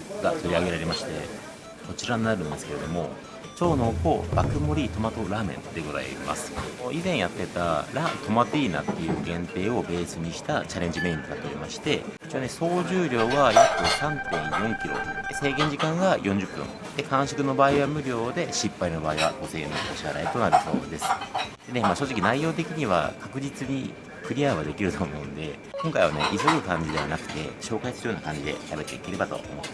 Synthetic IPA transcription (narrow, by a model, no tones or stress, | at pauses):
ɡat̪o̞ɾʲiaɡe̞ɾaɾe̞maɕi̥t̪e̞̰ | so̞t͡ɕiɾaɲnaɾɯ̟̃nd̪e̞sɨ̥ke̞ɾe̞d̪o̞̰mo̞̰ | t͡ɕo̞ːnoko̞b̥akɯ̟mo̞ɾʲit̪o̞mat̪o̞ɾaːmẽ̞̰nd̪̥e̞ɡo̞za̰ḭma̰sɨ̥oizẽ̞ɰ̃jat̪ːe̞t̪a̰ɾat̪o̞mat̪iːna̰t̪ːe̞jɯ̰ːɡẽ̞nt̪e̞ːo̞be̞ːsɨɲ̟iɕi̥t̪at͡ɕaɾe̞ɲ̟d͡ʑime̞ĩnt̪okat̪ːeɾʲimaɕi̥t̪e̞it͡ɕianeso̞ːʑɨːɾʲo̞ːɡajot̪ːosãnt̪ẽ̞ɰ̃jõ̞ŋkʲiɾo̞̰d̪̥ese̞ːɡẽ̞ɲ̟d͡ʑikãŋɡajõ̞ɲ̟d͡ʑɨpːɯ̰̃ŋ | d̪̥e̞kãɰ̃ɕi̥kɯ̟no̞baːiβamɯ̟ɾʲo̞ːd̪e̞ɕipːaino̞baːiβa̰ɡo̞se̞̰ːno̰ʔoɕiaɾa̰it̪o̞naɾɯ̟so̞ːd̪e̞sɨ̥d̪̥e̞ne̞maːɕo̞ːʑikʲinaijo̞ːt̪e̞kʲiɲ̟iβa̰kʰakɯ̟d͡ʑit͡sɨɲ̟ḭ | ɸɯ̟ɾʲiaːɡad̪e̞kʲiɾɯ̟t̪o̞ːmo̞ɯ̟̃nd̪e̞ | kõ̞ŋkaiβa̰ne̞̰ʔisoɡɯ̟kãɲ̟d͡ʑid̪e̞βanakɯ̟̥t̪e̞̰ɕo̞ːkaisɨɾɯjoːnakãɲ̟d͡ʑid̪e̞̰ɕabe̞t̪ːe̞̰ike̞ɾe̞bat̪o̞̰o̰mo